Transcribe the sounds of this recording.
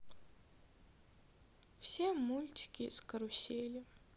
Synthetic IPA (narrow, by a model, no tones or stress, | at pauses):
fsʲemulʲtʲɪ̥kʲɪskɐɾʊsʲelʲɪ